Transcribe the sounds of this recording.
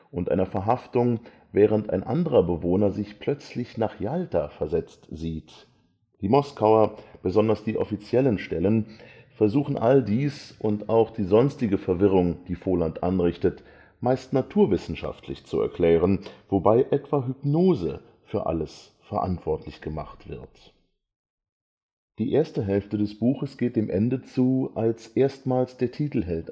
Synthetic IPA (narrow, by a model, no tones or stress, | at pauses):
ʔʊntʔa̰ɪnɐfɛɐɦaftʊŋ | vɛːʁ̞əntʔa̰ɪnʔa̰ndəʁɐbəvoːnɐzɪçpʰl̥œt͡slɪçnaːχjaltʰafɛɐzɛt͡stz̥iːt | d̥iːmɔskaʊɐb̥əzɔndɐsd̥iːʔɔfit͡sjɛlənʃtɛlən | fɛɐzuːxn̩ʔaldiːsʔʊntaʊxd̥iːzɔnstɪɡəfɛɐvɪʁ̞ʊŋd̥iːfoːlantʔa̰nʁɪçtət | maɪstnatʰuːɐvɪsn̩ʃa̰ftʰlɪ̰çt͡suɛ̰ɐkl̥ɛːʁ̞ənv̥obaɪʔɛtv̥aɦʏpnoːzə̰ | fyːɐʔa̰ləs | fɛɐʔa̰ntv̥ɔɐtʰlɪçɡ̥əma̰χtv̥ɪɐt | d̥iːʔeːɐstəɦɛlftədɛsb̥uːxəsɡ̥eːt̚d̥eːmʔɛndət͡suːʔalsʔeːɐstmaːlsd̥eːɐtʰiːtl̩ɦɛlt